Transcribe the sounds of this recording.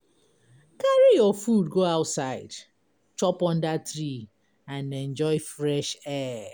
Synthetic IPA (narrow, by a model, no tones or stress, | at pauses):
kaɹijɔfudɡoaʊtsaɪd | t͡ʃɔpɔ̃ndatɾi | ãnɛ̃nd͡ʒɔɪfɹɛʃɛ